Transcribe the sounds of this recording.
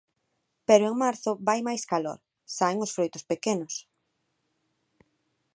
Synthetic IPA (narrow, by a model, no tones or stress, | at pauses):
peɾoeŋmaɾθʊbajmajskalo̰ɾ | saeŋosfɾojt̪ʊspekenʊs